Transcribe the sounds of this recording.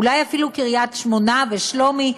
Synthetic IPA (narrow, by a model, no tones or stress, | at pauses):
ulajafilukiʁjat̪ʃmo̞naveʃlo̞mi